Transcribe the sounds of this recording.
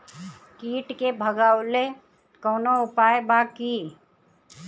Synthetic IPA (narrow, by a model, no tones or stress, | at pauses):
kiːʈkebʱəɡaːwle | koːnoʊpaːjbaki